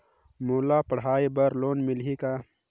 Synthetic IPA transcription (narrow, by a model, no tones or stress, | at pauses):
muːlaːpɐɽ̤ɦaːibəɾloːnmilɦikaː